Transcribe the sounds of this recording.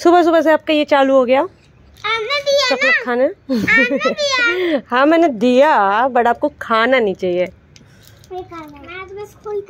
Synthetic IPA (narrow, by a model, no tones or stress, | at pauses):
sʊbas̬ʊbas̬eaːp̚kajet͡ʃaːluɦoːɡɐjaː | asɐklək̪̚kʰaːna | hãːmɛ̃ːned̪ijabɐɽaːp̚kokʰaːnanĩt͡ʃaːɦieː | kʰanːbɐskʰ